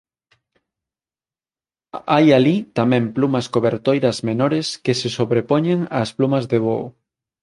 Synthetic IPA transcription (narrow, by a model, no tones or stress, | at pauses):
ajalit̪amɛ̃mplumɐskoβeɾt̪ojɾɐzmenoɾɪskesesoβɾepoɲẽŋasplumɐzðeβo